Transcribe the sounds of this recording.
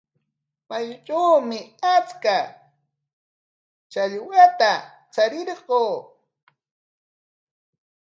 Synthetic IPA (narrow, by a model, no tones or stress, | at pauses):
majt͡ʃawmɪat͡ska | t͡ʃaʎwat̪a | t͡saɾɪɾɢoː